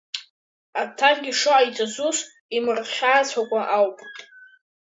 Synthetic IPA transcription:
atʰaχɡʲiʂoajt͡sʼazus | imɨrχʲaːt͡sʰʷakʷʼaʔawpʼtʼ

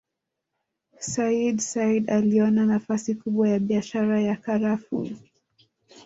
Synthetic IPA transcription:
saidsaidaliɔnanafasikuɓwajaɓiaʃaɾajakaɾafṵ

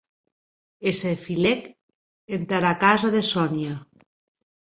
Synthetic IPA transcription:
esefilek | ent̪aɾakazaðesɔnja

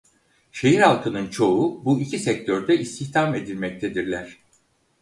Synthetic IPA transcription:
ʃe̞ɦiɾhalˠkʰɯnɯnt͡ʃʰo̞ubuicʰisɛc̚t̪ʰøɾd̪ɛʔist̪ʰiçt̪ʰame̞d̪ilʲmɛc̚t̪ʰed̪iɾlʲæɾ̥

